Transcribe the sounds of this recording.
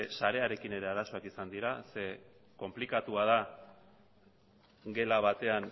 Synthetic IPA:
saɾe̞aɾe̞kine̞ɾe̞aɾaso̞akisand̪iɾase̞ | ko̞mplikat̪uaða | ɡe̞laβ̞at̪e̞an

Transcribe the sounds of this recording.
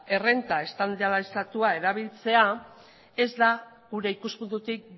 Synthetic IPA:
e̞re̞nt̪ae̞st̪and̪ialaisat̪uae̞ɾaβ̞ilt͡se̞a | e̞zd̪a | ɣuɾe̞ikuspund̪ut̪ik̚

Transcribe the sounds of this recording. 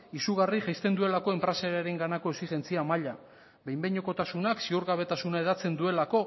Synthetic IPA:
isuɣariʝajst̪e̞nd̪ue̞lako̞empɾasaɾaɾeŋɡanako̞esiʝe̞nt͡siamaʎa | βejmbeɲoko̞t̪asunaksiuɾɣaβ̞e̞t̪asunaeðat͡se̞nd̪ue̞lako̞

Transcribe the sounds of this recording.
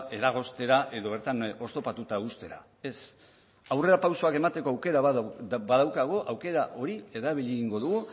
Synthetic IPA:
e̞ɾaɣ̞o̞st̪e̞ɾaʔe̞ðo̞βe̞ɾt̪ano̞st̪o̞pat̪ut̪aust̪e̞ɾa̰ | e̞s | awre̞ɾapawso̞ake̞mat̪e̞ko̞awke̞ɾaβbaðawkaɣ̞o̞ʔawke̞ɾaʔo̞ɾie̞ðaβ̞iʎiɣiŋɡo̞ðuɣ̞u

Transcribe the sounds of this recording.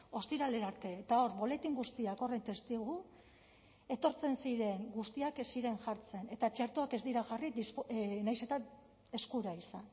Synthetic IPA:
o̞st̪iɾaleɾaɾt̪e̞ːt̪ao̞ɾbo̞le̞t̪iŋɡust̪iako̞rent̪e̞st̪iɣu | e̞t̪o̞ɾt͡se̞nsiɾe̞ŋɡust̪iaksiɾe̞ŋʝaɾt͡se̞ne̞t̪at͡ʃeɾt̪oake̞zd̪iɾaʝarid̪isnajse̞t̪a | e̞skuɾaisan

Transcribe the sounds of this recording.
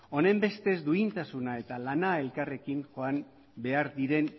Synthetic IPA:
o̞ne̞mbe̞st̪e̞zd̪uint̪asunae̞t̪alanae̞lkare̞kiŋʝo̞am | be̞aɾd̪iɾe̞n

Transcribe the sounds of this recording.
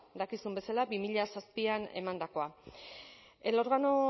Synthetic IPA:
d̪akisumbe̞salabimiʎasaspiane̞̰mand̪ako̞a | e̞lo̞ɾɣano

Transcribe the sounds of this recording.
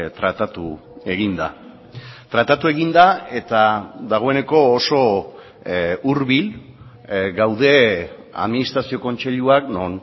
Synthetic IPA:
t̪ɾat̪at̪ue̞ɣ̞ind̪a̰ | t̪ɾat̪at̪ue̞ɣind̪ae̞t̪ad̪aɣ̞o̞e̞ne̞ko̞ːso̞ | uɾβil | ɣawðe̞a̰ðminist̪ɾasioko̞nt͡ʃe̞ʎuakno̞n

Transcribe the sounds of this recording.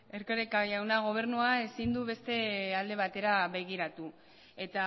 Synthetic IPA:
e̞ɾkoɾekajawnaɣ̞o̞β̞e̞ɾnuae̞sind̪uβe̞st̪e̞ald̪e̞β̞at̪e̞ɾaβe̞ɣ̞iɾat̪u | e̞t̪a

